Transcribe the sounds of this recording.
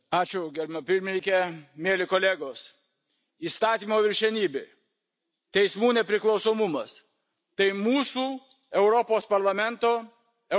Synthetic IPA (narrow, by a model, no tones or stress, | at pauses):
ɑːt͡ʃʲʊɡʲɛɾʲmɐpʲɪɾʲmʲɪnʲɪŋʲkʲɛmʲeɛlʲɪkoːlʲeːɡoːs | iːst̪ɑːt̪ʲiːmoːʋʲɪɾʲʃʲɛnʲiːbʲe | t̪ʲɛɪsmuːnʲɛpʲɾʲɪklˠɒʊsoːmʊmɐs | t̪ɐɪmuːsuː | ɛʊɾɔpoːspɐɾlˠɐmʲɛnt̪oː | ɛ